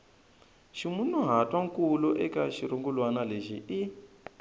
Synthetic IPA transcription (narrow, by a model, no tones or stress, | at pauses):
ʃimunuɦatʼwaŋkuluʔɛkaʃiɾuŋɡulwanaleʃii